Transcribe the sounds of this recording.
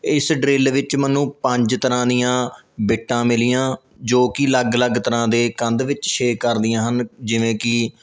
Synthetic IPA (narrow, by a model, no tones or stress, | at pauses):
ɪsɖɾeːlʋɪt͡ʃmənːũːpəɲd͡ʒt̪əɾãːd̪ijãːbeːʈːãːmɪlɪjãː | d͡ʒoːkɪləɡləɡt̪əɾãːd̪eːkə̃nd̪ʋɪt͡ʃʃeːkːəɾd̪ɪjãːɦənd͡ʒɪʋẽːkɪ